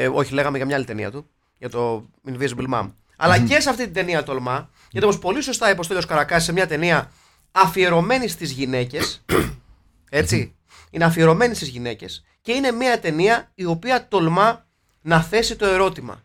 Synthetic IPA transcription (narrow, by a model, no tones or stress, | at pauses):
o̞çile̞ɣɐmeʝɐmɲɐɐlit̪enḭɐ̰t̪u | ʝɐt̪o̞ | invizbilmɐ̰m | ɐ̰lɐce̞s̬ɐft̪it̪id̪e̞niɐt̪o̞lmɐ | ʝɐt̪opopo̞liso̞st̪ɐipost̪oʎoskɐɾɐkɐsisemɲɐt̪e̞niɐː | fieɾo̞me̞nist̪izʝine̞ce̞s | e̞t͡si | ineɐfieɾo̞me̞nist̪izʝine̞ce̞s | ce̞ine̞miɐt̪e̞niɐio̞piɐt̪o̞lmɐ | nɐθe̞sit̪o̞e̞ɾo̞t̪imɐ̰